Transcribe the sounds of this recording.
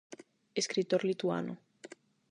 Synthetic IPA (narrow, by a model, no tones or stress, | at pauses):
eskɾit̪oɾlit̪ua̰no̰